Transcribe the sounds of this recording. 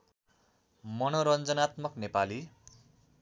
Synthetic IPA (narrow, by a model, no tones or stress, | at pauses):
mʌnoɾʌnd͡zʌnat̪mʌknepali